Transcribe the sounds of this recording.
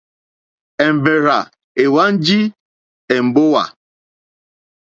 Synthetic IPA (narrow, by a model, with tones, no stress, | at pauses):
e˨m̩˨be˨ɾa˨ | e˨wa˦n̩˦d͡ʒi˦ | e˨m̩˨bʊ˦wa̰˨